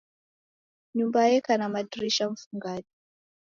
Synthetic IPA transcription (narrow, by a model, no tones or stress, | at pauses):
ɲumbajɛkanamadiɾiʃaɱ̩fuŋɡaʄi